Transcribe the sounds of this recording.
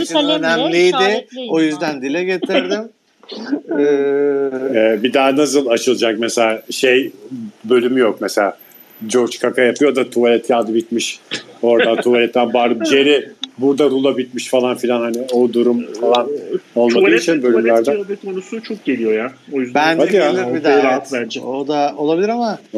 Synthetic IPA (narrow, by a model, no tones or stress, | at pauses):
ønæmlʲijd̪ɪojyzd̪ænd̪ilʲɛɟe̞t̪ʰiɾd̪ɪm | ɛ | ɛːbid̪aːnas̬ɯlˠat͡ʃʰɯlˠɯd͡ʒak̚meselʲaːʃe̞jbø̞lʲymyjokmese̞lʲaː | d͡ʒo̞ɾt͡ʃkʰakʰajapʰɯjo̞d̪at̪ʰuvalʲɛt̪jad̪ɯbit̪miʃo̞ɾd̪ant̪ʰualʲɛt̪lænbaːɾɯbd͡ʒjeɾɪbuɾd̪aɾulˠabit̪miʃfalˠanfilʲanhaniod̪uɾumfalˠano̞lˠmad̪ɯit͡ʃʰinbølʲymlʲæɾd̪æobɛt̪̚kʰonusut͡ʃʰok̚ɟe̞lʲijo̞jaojyzd̪bænhad̪ijaid̪at̪bænd͡ʒɛod̪aolˠabilʲiɾama